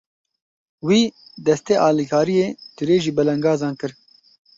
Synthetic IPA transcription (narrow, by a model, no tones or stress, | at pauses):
wiːd̪ɛst̪eːʔɑːlikʰɑːɾijeːt̪ɨɾeːʒiːbɛlɛŋɡɑːzɑːnkɨɾ